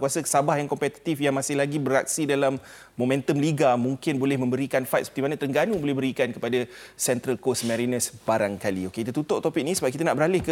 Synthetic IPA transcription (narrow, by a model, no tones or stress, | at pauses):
kuasasabahjaŋkɔmpɛt̪i̥t̪ifjaŋmasɪhlaɡibəɾak̚sidalamː | omɛ̃nt̪əmliɡamũŋkɪnbolɛhmə̃mbəɾikanfajt̪̚sə̥pət̪imanat̪əŋɡanũbolɛhbəɾikankəpadasɛnt̪ɾəlkosmɛ̃ɾinəsb̥aɾaŋkalḭokeit̪ət̪ut̪ʊʔt̪opik̚nisəbakit̪anaʔbəɾalɪhkə